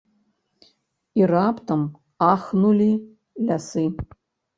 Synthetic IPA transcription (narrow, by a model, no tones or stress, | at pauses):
iraptʰam | aχnuli | lʲasɨ